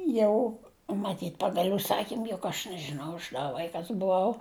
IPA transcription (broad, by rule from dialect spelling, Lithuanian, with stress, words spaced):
ˈjɛʊ mɐˈtʲiːtʲ ˈpɑːɡɐlʲ ʊʃˈsɑːkʲiːm jʊk ɐʃ nʲɛʒʲɪˈnɐʊ ɐʃ dɐ ˈʋɐɪkɐs bʊˈɐʊ